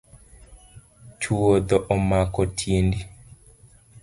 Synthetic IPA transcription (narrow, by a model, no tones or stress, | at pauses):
t͡ʃuod̪ɔʔɔmakɔtʰindi